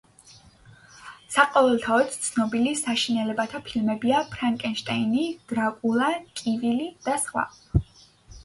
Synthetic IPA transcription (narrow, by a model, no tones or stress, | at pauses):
saqʼɔvɛlˠt̪ʰaɔt̪t̪sʰnɔbilisaʃinɛlɛbat̪ʰapʰilmɛbiapʰɾaŋkʼɛnʃt̪ʼainid̪̥ɾakʼulˠakʼivilid̪̥asχwa̰